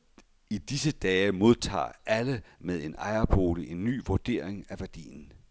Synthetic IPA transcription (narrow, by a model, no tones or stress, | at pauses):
id̥isəd̥ɛːmo̝ð̞ˠt͡sʰɑ̰̈ːʔæləmeð̞ˠe̝nɑ̈ɪɐbʰo̝ːləʔe̝nːy̰ːʋoɐd̥e̝̰ɐ̰e̝ŋæʋæɐd̥ḭːn̩